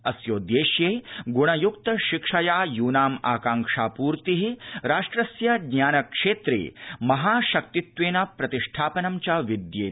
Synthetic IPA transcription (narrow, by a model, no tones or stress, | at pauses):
ɐsjoːd̪jeːʃjeːɡuɽ̃ɐjukt̪ɐʃikʂɐjaːjuːnaːmaːkaːŋʂaːpuːɾt̪iɦiɾaːʂʈɾɐsjɐɡɲaːnɐkʂeːt̪ɾḛːmɐɦaːʃɐk̚t̪it̪ʋeːnɐpɾɐt̪iʂʈʰaːpɐnɐmt͡ʃaʋid̪jeː